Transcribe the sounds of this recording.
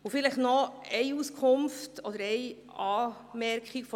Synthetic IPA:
ofɪləχnɔɛɪuskʰʊmftɔd̥̪əɾɛɪ | ɑː | mɛɾkχɪkfɔ

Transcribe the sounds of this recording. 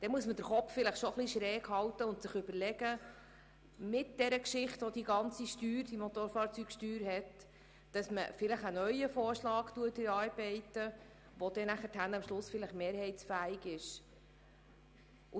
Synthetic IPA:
d̥ɛmuəsməd̥əɾχɔffɪləχʃoχliʃɾɛːkhɑltəʊnt̪sɪχʏbəɾlɛɡə | mɪtd̥ɛɾəkʃɪχtɔd̥iɡɑnt͡siʃtyːɾd̥imɔt̪oːɾfɑːɾt͡syːkʃtyːɾɦɛt | d̥ɑsmə̰fɪləχənœʏəfoːɾʃlɑːktuətɪɾɑːɾbɛɪtə | ʋod̥ɛnæχətʰænɑmʃlʊsfɪləχmeːɾhɛɪtsfæːɪɡɪʃ | ʊ

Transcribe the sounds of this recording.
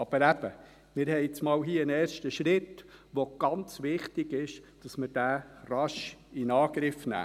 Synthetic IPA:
ɑb̥əɾæb̥ə | mɪːɾhɛɪɪt͡smɑːlɦiːəənɛːɾʃtəʃɾɪtʋoɡ̥ɑnt͡sʋɪχtɪɡɪʃd̥ɑsməɾd̥æːrɑʃɪnɑːɡɾɪfnæ̰ː

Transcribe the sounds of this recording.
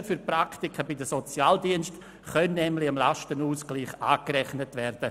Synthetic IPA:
fyɾpraktikʰəbɪdəsɔt͡sjaːldiənst | χœnnɛmlɪɪmla̰ʃtənuːskliːχaːkɾɛχnətvɛrd̥ə

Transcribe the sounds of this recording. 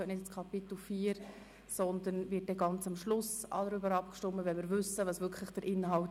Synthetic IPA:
nɪtt͡skʰɑpɪt̪l̩fiːɾ | sɔnd̪ənvɪt̚dɛɡɑnt͡sɑmʃlʊsɑ̰d̪əɾybəɾɑp̚kʃtɔmːəvɛnmɪːɾvʏsəvɑsʋʏkχləχd̥əɾʔɪnhɑl

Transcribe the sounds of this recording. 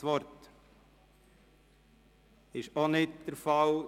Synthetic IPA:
ʋɔɾt | ɪʃonɪtd̥əɾfɑl

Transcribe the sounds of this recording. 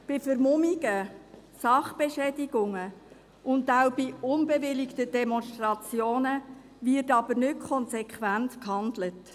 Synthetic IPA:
b̥ɪfəɾmʊmiɡ̥ə | sɑχb̥ɛʃɛːdɪɡʊŋə | ʔʊndawbiʊnbɛʋɪlɪktəd̥ɛmɔnʃtrɑt͡sjoːnə | vɪrtɑbəɾnʏt̚kʰɔnsɛkχvæntkhɑndlət

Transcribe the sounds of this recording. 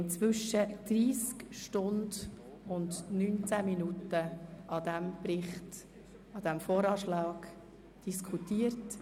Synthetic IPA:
nt͡sʋʏʃəd̪̥riːskʃtʊnd | ʊndnyːnt͡sæminutəʔɑd̥̪ɛmprɪχt | ɑd̥ɛmfoːɾɑːʃlɑːɡ | d̥iskʰutiːəɾt

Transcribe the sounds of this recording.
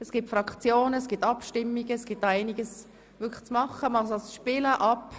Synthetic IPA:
ɛsɡ̥itfɾɑkt͡sjoːnəɛsɡ̥itɑpʃtɪmːiɡəɛsɡ̥itæɪniɡəs | vʏkʰl̥t͡smɑχəmɑlsosʃpɪləʔɑp

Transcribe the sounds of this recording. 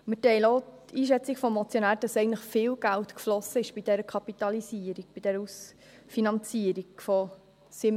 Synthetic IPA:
mətɛɪloːtiːʃ̬ɛt͡siɡfɔmːɔt͡sjonæːɾd̥ɑsɛɪɡən̩tləχfɪːlɡ̥ælt̪kflɔsəɪʃb̥id̥ɛɾəkʰɑpit̪ɑlisiəɾiɡ̥̚b̥id̥ɛɾəus | finɑnt͡siəɾiɡfɔ | sɪm

